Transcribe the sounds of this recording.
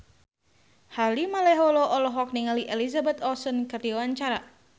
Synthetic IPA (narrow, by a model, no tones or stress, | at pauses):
halimalɛɦɔlɔʔɔlɔɦɔk̚niŋaliʔɛlizabɛt̪ɔsɔnkɨrdiwaɲt͡ʃaɾa